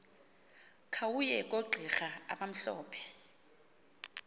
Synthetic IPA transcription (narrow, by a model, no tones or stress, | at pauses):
kʰawujɛk̬ʼoɡ͡ǃʱixaa̰ɓam̩ɬɔ̰ːpʰɛ̥